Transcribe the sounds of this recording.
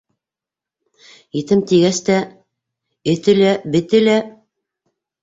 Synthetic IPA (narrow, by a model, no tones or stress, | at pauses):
it̪ɘmt̪iɡæst̪æ | ɘ̆t̪ɘ̆læbɘ̆t̪ɘ̆læ